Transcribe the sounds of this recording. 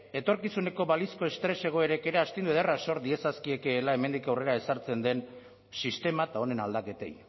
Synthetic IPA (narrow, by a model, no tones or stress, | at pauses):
e̞t̪o̞ɾkisune̞ko̞βalisko̞e̞st̪ɾe̞se̞ɣ̞o̞e̞ɾe̞ke̞ɾeast̪ind̪ueðeraso̞ɾd̪ie̞saskie̞kelae̞me̞nd̪ikawre̞ɾae̞saɾt͡se̞nd̪e̞n | sist̪e̞mat̪ao̞ne̞nald̪ake̞t̪e̞̰j